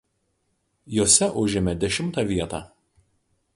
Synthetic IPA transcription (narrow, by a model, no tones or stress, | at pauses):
joːsʲɛʔʊʒʲɪmʲɛd̪ʲɛʃʲɪmt̪ɑˑʋʲiɛt̪ɑː